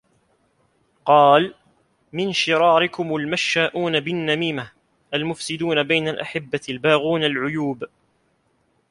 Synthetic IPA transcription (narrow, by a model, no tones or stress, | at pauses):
qɑːl | mɪnʃɪɾɑːɾɪkʊmʊlmaʃːaːʔuːnabɪnːamiːma | ʔalmʊfsɪd̪uːnabajnalʔaħɪbːalbaːɣuːnalʕʊjuːb